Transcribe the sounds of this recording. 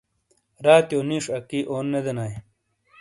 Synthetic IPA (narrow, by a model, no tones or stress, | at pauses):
ɾaːt̪joːniʂɐkiʔoːnːed̪enaːj